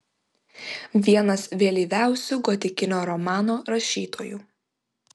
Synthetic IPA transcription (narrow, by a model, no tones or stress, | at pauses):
ʋʲiɛnɐsʋʲeːlʲiːʋʲæˑʊsʲuɡɔt̪ʲɪkʲɪnʲoːɾɔmɑːnoːɾɐʃʲiːt̪ʰoːjuː